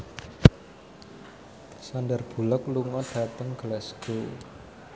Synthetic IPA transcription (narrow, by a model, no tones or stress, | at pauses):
sandərb̥ṳlɔkluŋɔɖ̥ä̤t̪əŋɡ̥əlɛsɡ̥o